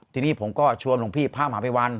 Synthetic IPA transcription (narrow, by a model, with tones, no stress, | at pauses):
t̪ʰiː˧niː˦˥˩pʰo˩˦mkɔː˥˩t͡ɕʰu˧əmlo˧ŋpʰiː˥˩pʰaː˥˩maː˨˩˦pa˧jwa˧n